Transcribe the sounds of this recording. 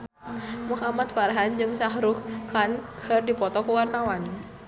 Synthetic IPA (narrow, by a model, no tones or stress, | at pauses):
muɦamat̪̚faɾaɦand͡ʒɨŋʃaɦɾʊhkʰankʰərdipɔt̪ɔkuwart̪awan